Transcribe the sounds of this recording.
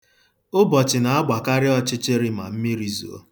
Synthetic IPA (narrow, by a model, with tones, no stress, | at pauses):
ʊ˦bɔ˨t͡ʃɪ˨na˨a˦ɡ͡ba˨ka˦ɾɪ˦ɔ˦t͡ʃɪ˦t͡ʃe˦ɾɪ˦ma̰˨m̩˦mi˦ɾi˨zo̰˨o̰˦